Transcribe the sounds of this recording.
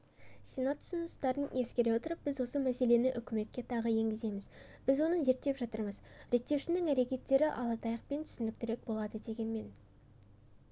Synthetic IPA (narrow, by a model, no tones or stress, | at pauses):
sʲe̞nat̪ʰːʊ̥sʊnʊst̪ɑɾəne̞skʲe̞ɾe̞wot̪əɾəp̚b̥ɪzwo̞səmæse̞le̞nɪʔʏkʲɪme̞t̪̚kʲe̞t̪ʰɑʁəje̞ŋɡʲɪzd̪e̞jmɪz | b̥ɪzwo̞nəze̞ɾt̪ːe̞pʒɑt̪əɾməzɾe̞k̚t̪ːe̞wʃɪnɪŋæɾe̞kʲe̞t̪ːe̞ɾɪʔɑlˠɑt̪ɑjəq̚pe̞nt̪ʰʏ̥sɪnd̪ɪk̚t̪ɪɾe̞k̚bo̞lˠɑd̪əd̪e̞ɡʲe̞nme̞n